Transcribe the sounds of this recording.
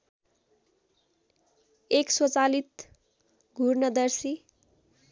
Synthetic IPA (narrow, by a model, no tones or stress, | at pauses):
ekswʌt͡salit̪ | ɡʱurnʌd̪ʌrsi